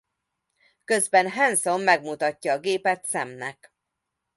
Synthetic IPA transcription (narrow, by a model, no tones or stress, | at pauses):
kø̞zbɛnɦɛnso̞mːɛɡmut̪ɒcːɒːɡeːpɛt̪sɛmnɛ̰k